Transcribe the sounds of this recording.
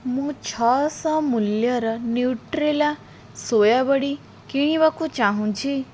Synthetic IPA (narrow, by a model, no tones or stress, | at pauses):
mũt͡ʃʰɔsɔ̃muljʌɾʌniwʈɾela | sojabəɽi | kiɽ̃ĩbakũt͡ʃaɦũt͡ʃʰi